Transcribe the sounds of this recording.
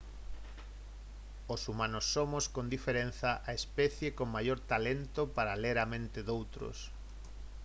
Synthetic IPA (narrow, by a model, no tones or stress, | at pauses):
osumãnosːomoskond̪ifeɾenθɐʔaespɛθjekoŋmajoɾt̪alent̪opaɾaleɾamẽnt̪eðowt̪ɾo̰s